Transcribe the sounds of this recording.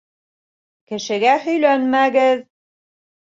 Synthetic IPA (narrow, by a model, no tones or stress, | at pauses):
kɘ̆ʃɘ̆ɡæhɵ̆jlænmæɡɘð